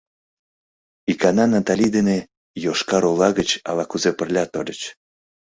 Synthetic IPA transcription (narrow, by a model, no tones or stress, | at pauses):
ikɑnɑnɑt̪alʲid̪ene | joʃkɑɾolɑɣət͡ɕɑ̰lɑkuzepə̆rlʲɑt̪oɾʲət͡ɕ